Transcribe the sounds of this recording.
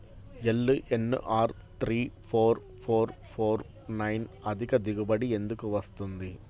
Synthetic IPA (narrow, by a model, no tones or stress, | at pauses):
ɛlːɯʔɛnːɯ̰ʔaːɾ | t̪ɾiːfoːɾ | foːɾfoːɾ | nɐɪnɐðɪɣɐd̪ɪɣɯbɐɽiɛnd̪ɯkːɯʋɐst̪ɯnd̪i